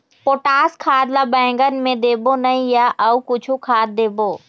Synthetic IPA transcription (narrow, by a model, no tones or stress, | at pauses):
poːʈaːskʰaːd̪labɛ̃ːŋɡənɪ̆mẽd̪eːbonɐĩjaʔəukʊt͡ʃʰukʰaːd̪̚d̪eːboː